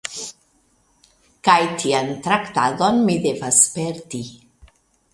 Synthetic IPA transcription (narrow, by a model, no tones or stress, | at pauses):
kajt̪ʰiant̪ɾakt̪adonmid̪evaspeɾd̪i